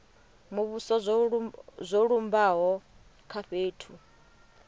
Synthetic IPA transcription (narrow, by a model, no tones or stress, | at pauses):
muβusɔz | zʷoɺumbaɦɔ | kʰaɸeːtʰu